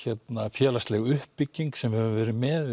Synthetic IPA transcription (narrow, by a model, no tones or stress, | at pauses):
çɛt̪nafjɛːlast̪lɛɣʏhpːicːiŋksɛmvɪɾhɛvʏmvɛːɾɪmɛð